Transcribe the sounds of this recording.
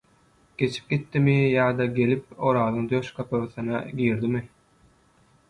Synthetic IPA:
ɡ̥e̞t͡ʃʰi̥p̚ɡ̥ʲit̪ːimijɑːd̪ɑɡʲe̞lip̚oɾɑːðɯŋd̪øʃkʰɑpʰɯɣɯθɯnɑɡʲiːɾd̪imi

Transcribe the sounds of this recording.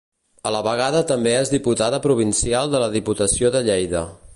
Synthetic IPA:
ələβəɣ̞aðət̪əmbeezðiput̪aðəpɾuβ̞insialˠd̪ələðiput̪əsioðəʎɛjðə

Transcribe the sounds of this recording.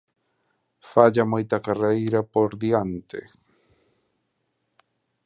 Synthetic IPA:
faʎamojt̪akarajɾapoɾd̪iant̪ḛ

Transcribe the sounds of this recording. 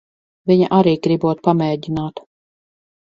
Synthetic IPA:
vʲiɲa̰ʔaɾiːɡɾibuɔt̪̚pamɛːɟʲinaːt̪

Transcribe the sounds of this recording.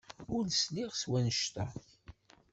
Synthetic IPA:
ʊlsliʁswænəʃt̪a

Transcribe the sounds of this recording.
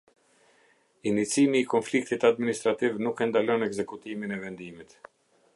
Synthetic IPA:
init͡simiːkɔnflik̚t̪it̪ad̪minist̪ɾat̪ivnukɛnd̪alɔnɛɡzɛkut̪iminɛvɛnd̪imit̪

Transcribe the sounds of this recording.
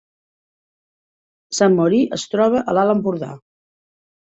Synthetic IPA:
samːoɾiʔəst̪ɾɔβ̞əʔəlaləmpuɾða̰

